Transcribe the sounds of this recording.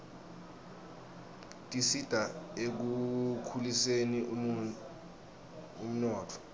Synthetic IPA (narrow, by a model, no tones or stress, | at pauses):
tʼisid̥ʱaek̬ukʰuliseni | um̩nɔːtʰɔ̥